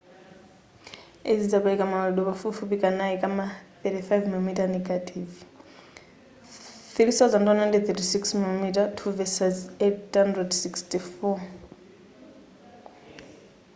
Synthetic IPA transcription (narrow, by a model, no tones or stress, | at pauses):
ezid͡zaɓaikʼamaaɗɔpafufupikʼanaikʼamaθɛtiθajvmilomitanɛɡatʰʼiv | θiɾiθazandwanandɛθɛtisiksmilomitatʰuvɛsazethandrɛdsikstifɔ